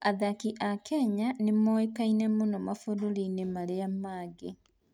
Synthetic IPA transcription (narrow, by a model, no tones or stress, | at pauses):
aðakiʔakɛɲanemɔekainɛmonɔmafodoɾinemaɾeamaɡe